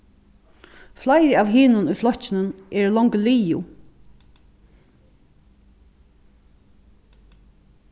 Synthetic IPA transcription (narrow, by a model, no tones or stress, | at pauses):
flaɪɾaːʋɦɪːnʊnujflɔçcɪnənʔɛːɾlɔŋkliːʊ̰